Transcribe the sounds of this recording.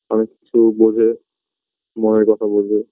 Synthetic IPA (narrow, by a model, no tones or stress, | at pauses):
ɔnekːit͡ɕʰubod͡ʑʱe | moneɾkɔt̪ʰabold͡ʑʱe